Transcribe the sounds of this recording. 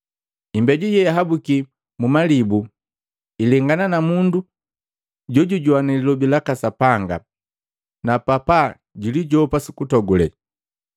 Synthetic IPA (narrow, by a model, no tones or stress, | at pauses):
imbɛɟujɛjaɦabuki | mumalibu | ilɛŋɡananamundu | ɟɔɟuɟuanɛlilɔbilakasapaŋɡa̰ | napapa | ɟuliɟɔpasikutɔɡulɛ̰